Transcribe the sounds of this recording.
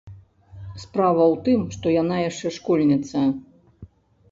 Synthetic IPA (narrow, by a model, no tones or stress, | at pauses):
spɾavɐwt̪ɨmʂt̪ɔjanajaʂt͡ʂɛʂkɔlʲnʲɛt̪sɐ